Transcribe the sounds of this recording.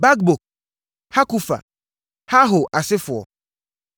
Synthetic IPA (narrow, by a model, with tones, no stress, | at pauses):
ba˦k̚bo˨k̚ | ha˦ku˦fa̰˨ | ha˦ɦo˨ʔa˨sɪ˦fʊ˨ɔ̰˨